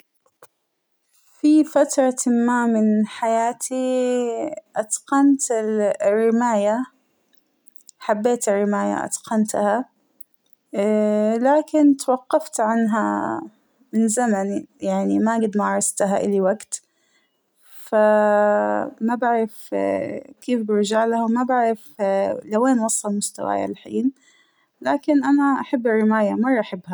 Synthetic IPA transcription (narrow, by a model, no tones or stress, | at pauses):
fifat̪ɾˤɑmamɪnħajaːt̪ʰi | ʔɑt̪qɑnt̪ɪrːɪmaːja | ħabːeːt̪ɪrːɪmaːja̰ʔɑ̰d̪qɑnt̪ha | laːkɪnt̪wɑqːɑft̪ʕanɦa̰ | mɪnzamanijaʕnimaɡɪd̪maʕɾˤɑst̪aɦaʔɪ̰liwaɡt̪ | fa | mabaʕɾɪf | keːfbɪɾd͡ʒaːʕlahawmabaʕɾɪflaweːnwɑsˤːɑlmʊst̪a̰wa̰ːja̰lħḭːn | laːkɪnʔanaʔaħabːɪrːɪmaːjamɑrˤːʔaħɪbːha